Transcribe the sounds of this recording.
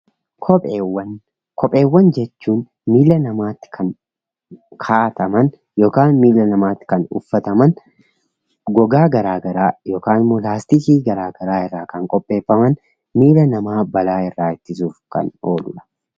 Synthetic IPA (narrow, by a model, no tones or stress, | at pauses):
kʰɔwɐ | kʰɔpʼe̞ːwːɐnd͡ʒɛt͡ʃːuːn | miːlːɐnɐmaːt̪ːɪ̥kʰɐn | kʰaːʔt̪ɐmɐn | jo̞ːkaːnmiːlːɐnɐmaːt̪ːɪ̥kɐnʊ̰fːɐt̪ɐmɐn | ɡɔɡaːɡɐɾaːɡɐɾaːjo̞ːkaːnɪmːolaːst̪ɪsiːɡɐɾaːɡɐɾaːɪrːaːkɐŋkʼɔpʼːe̞ːfːɐmɐn | miːlɐnɐmaːbɐlaːɪrːaːɪt̪ːɪsuːfkɐ̰no̞̰ːlʊlɐ̥